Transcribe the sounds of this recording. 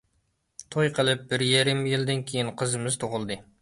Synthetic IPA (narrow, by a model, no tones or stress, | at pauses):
t̪ʰojqʰəlˠɨp̚bɪɾjeɾɪmjɪlˠd̪ɪnkʲʰejinqʰəzɨmɨz̥t̪ʰoʁʊlˠd̪ɨ